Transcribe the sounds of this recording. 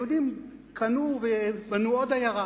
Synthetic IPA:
ud̪imkʰanuvebanuod̪ajaʁa

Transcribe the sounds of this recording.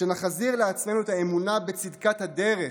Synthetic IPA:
enaχaziʁleat͡sme̞nuet̪ae̞munabet͡sid̪kat̪had̪e̞ʁe

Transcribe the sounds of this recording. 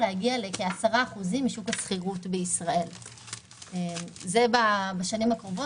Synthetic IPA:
leaɡiale̞keasaʁaːχuzimːiʃukat͡sχiʁutbeisʁae̞l | emzebabaʃanimhakʁovo

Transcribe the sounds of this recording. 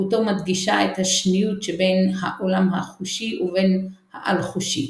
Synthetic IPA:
utomad̪ɡiʃaethaʃnijutʃebe̞jnhaʔolamɦaχuʃiʔuvenhaʔa̰lχuʃi

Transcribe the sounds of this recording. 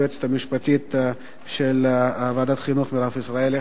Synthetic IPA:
et͡se̥t̪amiʃpat̪it̪ | ʃelːvaːd̪at̪χinuχmiɾafisʁae̞le

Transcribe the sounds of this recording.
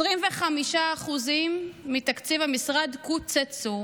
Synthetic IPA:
ʁimveχamiʃaːχuzimːit̪akt͡sivhamisʁadkut͡set͡su

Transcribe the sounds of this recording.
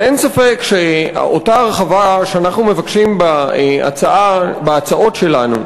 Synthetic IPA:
ensafe̞kʃeotaʁeχavaʃeanaχnume̞vakʃimbaa̰t͡saʔabaat͡saʔo̞tʃe̞lanṵ

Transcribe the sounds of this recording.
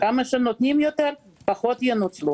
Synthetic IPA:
kamɐʃɛnot̪nʲimjot̪eɾ | paχot̪jenut͡slu

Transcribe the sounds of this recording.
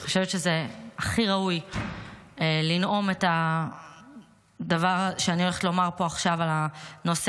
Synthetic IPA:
χoʃevetʃeze̞aχiʁauj | lino̞me̞ta | davaʁʃeaniole̞χetlo̞maʁpo̞aχʃavalano̞s

